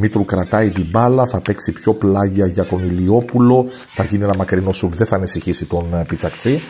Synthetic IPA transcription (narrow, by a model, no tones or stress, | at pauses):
mit̪ɾukɾɐt̪ɐit̪ibɐlɐθɐpe̞ksipço̞plɐʝiɐʝɐko̞nilio̞pulo̞ | θɐʝinienɐmɐkɾino̞suɡðeθɐːnisiçisit̪o̞npit͡sɐkt͡si